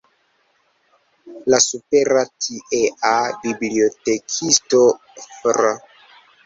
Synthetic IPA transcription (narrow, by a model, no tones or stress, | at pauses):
lasupeɾatʰiʔeʔabibliotekʰisto | fɾa